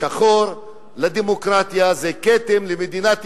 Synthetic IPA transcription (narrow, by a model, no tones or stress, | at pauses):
aχoɾ | lad̪emokʁat̪jazeket̪emlemed̪inat̪